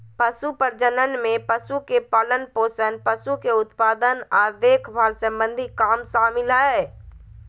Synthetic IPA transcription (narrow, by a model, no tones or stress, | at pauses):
pəʃupəɾd͡ʒənənmẽpəʃukepaːlənpoːsənpəʃukeʊt̪paːd̪ənɔːɾd̪eːkʰbaːɾsə̃mbə̃nd̪ʱikaːmsaːmɪlaɛ